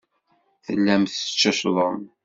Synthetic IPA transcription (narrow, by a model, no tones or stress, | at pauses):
θəlːæmθt͡ʃːəʃðˤəm